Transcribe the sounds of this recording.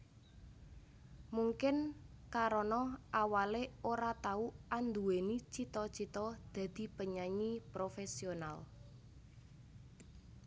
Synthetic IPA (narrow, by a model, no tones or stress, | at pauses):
muŋkɪnkaɾɔnɔʔawaleoɾat̪auand̪uwenit͡ʃit̪ɔt͡ʃit̪ɔd̪̥ä̤d̪̥i̤pəɲaɲipɾofɛsional